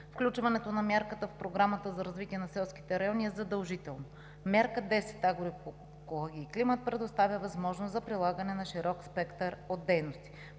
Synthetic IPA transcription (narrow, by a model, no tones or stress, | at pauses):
fklʲut͡ʃvɐnɛt̪onɐmʲjaɾkət̪əfpɾoɡɾamət̪əzɐɾɐzvit̪ʲiɛnɐsɛlˠsk̟i̥t̪ɛɾɐjɔnʲiɛzɐd̪ɐlˠʒit̪ɛlˠno | mjaɾkəd̪ɛsɛ̥t̪aɡoɾi | kolˠɔɡʲiːklimət̪̚pɾɛd̪ost̪avʲjəvɐzmɔʒnosɐpɾilˠaɡənɛnɐʃiɾɔkspɛkt̪əɾod̪ːɛjnost̪i̥